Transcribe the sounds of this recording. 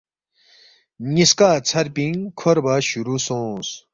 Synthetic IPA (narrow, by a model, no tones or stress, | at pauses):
niskaːt͡sʰɐɾpĩŋkʰoɾbaɕuɾusõːs